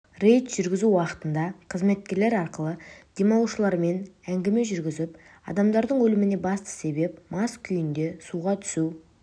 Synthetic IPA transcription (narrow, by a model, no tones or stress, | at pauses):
re̞jt̪ʒ̥ʏɾɡʲɪzuwɑqə̥t̪ənd̪ɑqʰəzme̞t̪̚kʲe̞ɾle̞ɾɑɾqəlˠəd̪̥e̞mɑlˠuʃəlˠɑɾme̞næŋɡʲɪme̞ʒʏɾɡʲɪzɪp | ɑ̰d̪ɑmd̪ɑɾd̪əɴwɵlɪmɪne̞bɑst̪ə̥se̞be̞pmɑskʲʰʏjɪnd̪e̞suʁɑt̪ʰʏ̥suw